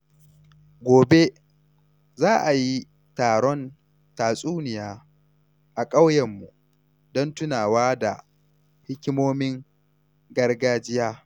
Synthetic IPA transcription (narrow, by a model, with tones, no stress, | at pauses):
ɡʷoː˨be˦ | zaː˦ʔa˨ji˦ | taː˨ɽɔ˦n | taː˨sʼuː˦nɪ˨jaː˦ | ʔa˨kʼa˦wjɛ˨mːu˨ | dɔ˦ntʊ˦naː˨waː˦da̰˨ | hɪ˦kʲɪ˦moː˦mɪ˦ŋ | ɡɐ˦rɡaː˦d͡ʒɪ˦jaː˦